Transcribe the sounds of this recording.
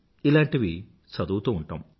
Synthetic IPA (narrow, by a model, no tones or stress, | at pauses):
ilaːɳʈiʋi | sɐd̪uːt̪ɐmuɳʈa̰ːm